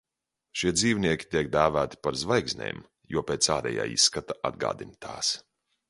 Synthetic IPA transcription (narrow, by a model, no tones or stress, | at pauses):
ʃiɛd̪ziːvniɛkʲi̥t̪ʲiɛk̚d̪æːvæːt̪i̥paɾzvajɡzʲnʲḛːm | juɔpeːt̪saːɾɛ̰ja̰ːḭsːkat̪aʔa̰d̪ɡa̰ːd̪inʲt̪ʰa̰ːs